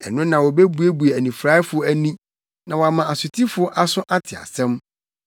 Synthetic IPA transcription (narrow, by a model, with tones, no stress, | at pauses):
ɛ̰˨nʊ̃˦nã˨wɔ˨be˦bu˨˦e˦bu˨e˨æ˨nĩ˨fɾa˦fʊ˨˦æ˦nĩ˦ | nã˨wɔ˨a˨mã˨a˨sʊ˨tʰi˦fʊ˨˦ɔ˦ʔa˦sʊ̃˦ʔa˦tʰɪ˨a̰˨sɛ̃˦m